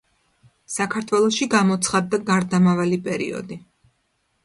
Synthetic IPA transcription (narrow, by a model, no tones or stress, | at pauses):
sakʰaɾt̪ʰwɛlˠɔsʃiɡamɔt̪sʰχad̪ːaɡaɾd̪amavalipʼɛɾḭɔ̰d̪i